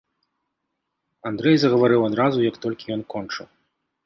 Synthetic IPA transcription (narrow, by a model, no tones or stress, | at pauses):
and̪ɾɛjzɐɣɐvaɾɨwad̪ɾazujɐkt̪ɔlʲkʲijɔnkɔnt͡ʂɨ̰w